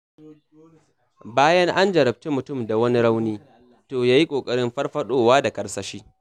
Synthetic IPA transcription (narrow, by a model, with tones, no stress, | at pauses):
baː˦jɐ˦ŋʔa˦nd͡ʒɐ˨ɾɐ˨b̚tu˦mʊ˨tʊ˦˨mda˨wɐ˦ni˦ɽa˦wniː˦ | toː˨jaː˦ji˦kʷʼoː˨kʼɐ˦ɽɪ˦mɸɐ˦ɽɸɐ˦ɗoː˦waː˦da˨kʼɐ˦ɽsɐ˨ʃiː˦